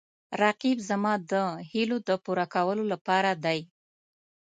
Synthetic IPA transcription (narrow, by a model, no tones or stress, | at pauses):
ɾɑqibzamɑd̪əhilod̪əpuɾakawəlolapɑɾad̪aj